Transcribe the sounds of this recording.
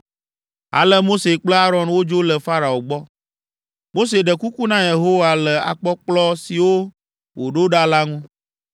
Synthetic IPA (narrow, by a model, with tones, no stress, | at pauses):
a̰˨lə˦mo˦se˨k͡plə˦a˦ɾɔ̃˨nwo˦d͡ʒo˦lə˨fa˦ɾa˨o˨ɡ͡bɔ˦ | mo˦s̬e˨ɖə˨ku˦ku˦nã˦je˨ɦo˦wa˨lə˨a̰˨k͡pɔ˦k͡plɔ˦si˨wo˦ | wo˨ɖo˦ɖa˦la˦ŋũ˦